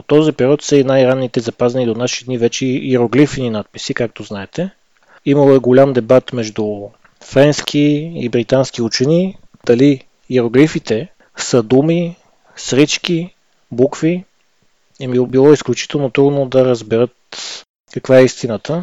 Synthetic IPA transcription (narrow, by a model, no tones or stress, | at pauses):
ot̪ːɔzipɛɾiɔt̪səinajɾanːit̪ɛzɐpazɛnid̪onaʃid̪nivɛt͡ʃɛiiɾoɡlifninat̪̚pi̥sikak̚t̪oznaɛt̪ɛ | iməlˠoɛɡolʲamd̪ɛbat̪mɛʒd̪u | fɾɛnsk̟ʰiibɾit̪ansk̟iut͡ʃɛni | d̪̥ɐli | iɾoɡlifit̪ɛ | səd̪umi | sɾit͡ʃk̟i | bukvi | ɛmibilˠɔisklʲut͡ʃi̥t̪ɛlˠnot̪ɾud̪nod̪ɐɾəzbɛɾɤt̪ | kɐkvaɛist̪inət̪ə